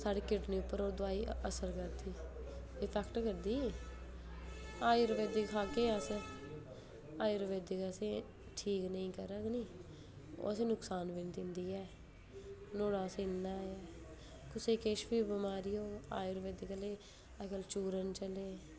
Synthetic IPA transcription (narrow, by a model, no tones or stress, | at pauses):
saːɽiːkɪʈniːʊpːəɾoːd̪ʊaːiːə̰səɾkəɾd̪iː | ɪpʰɛːkʈkəɾd̪iː | aːiɾʋeːd̪ikkʰaːkeːəs | aːjɾʋeːd̪ikəsẽː | ʈʰiːknəĩːkəɾəknĩː | o̰ːəsẽːnʊksaːnʋint̪ɪ̃nd̪iːɛː | noːɽaːseɪnd̪aːɛː | kʊseːkeːʃbiːbəmaːɾiːoːa̰ːjɾʋeːd̪ikəleː | akəlt͡ʃuːɾənt͡ʃəleː